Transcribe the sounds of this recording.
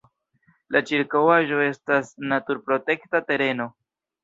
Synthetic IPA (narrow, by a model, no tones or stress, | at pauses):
lat͡ʃiɾkawaʒo̞e̞stasnatuɾpɾo̞te̞ktate̞ɾe̞no̞